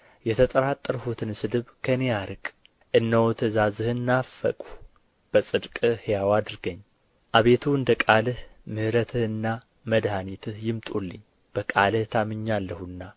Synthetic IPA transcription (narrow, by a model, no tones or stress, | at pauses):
jɛt̪ʰət̪ʼəɾat̪ʼːəɾhut̪ʰɨnsɨd̪ɨβkʰənejaɾɨkʼ | ʔɨnːəwt̪ʰəzazɨhɨnːafːə̰kʼu̥ | b̥əsʼɨd̪kʼɨhjawad̪ɨɾɡəɲː | ʔaβe̞t̪ʰuɨnd̪əkʼalɨhmɨhɾət̪ʰɨhɨnːa | məd̪hanit̪ʰɨhjɪmt̪ʼulːɨɲ | b̥əkʼalɨht̪ʰamɨɲːalːəhunːa